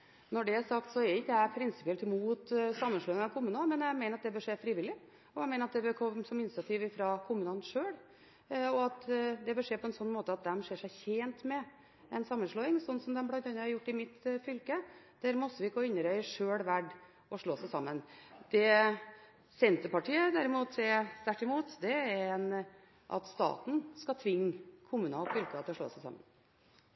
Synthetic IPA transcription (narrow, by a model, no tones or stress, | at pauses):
nɔɖɛæʂɑkt̪sɔɛɾɪkːəæpʰɾɪnsɪ̥pɪɛlt̪ɪmuːt̪sɑmːənʂɭoːɪŋɑʋkʰʊmʉːnmɛnjæɪmæɪnəɾɑt̪̚d̪ɛbøʂeːfɾɪːʋɪlːɪ | ɔjæɪmɛɪnɾɑt̪̚d̪ɛbɛkʰɔmsɔmɪnt͡sɪɑt̪ʰiʋɪfɾɑkʰʊmʉːnɑnʂøːɽ | ɔɑt̪d̪ɛbəʂeːpʰɔɛnsɔnːmoːt̪əɑt̪̚d̪ɛmʂeːʂæɪçeːnt̪mɛ | ɛnsɑmːənʂɭoːɪŋsɔnːsɔmd̪ɛmblɑnd̪ɑnːəɑɾjʊʈːɪmɪt̪fʏlkə | d̪̥æːɾmɔst̪əʋɪɪkːɔɪnːəɾœʏəʂøːɽʋæɖ | ɔʂɭoːsæɪsɑmːənd̪̥ɛ | sɛnt̪əpɑʈʰiːəd̪æɾɪmuːt̪ɛst̪æʈːɪmuːt̪d̪ɛæɾɛn | ʔɑ̰t̪st̪ɑ̰ːt̪n̩skɑt̪ʰʋɪŋːkʰʊmʉːnɑɔfʏlkəɑt̪ʰɪlɔʂɭo̰ːsæɪsɑ̰mːə̰n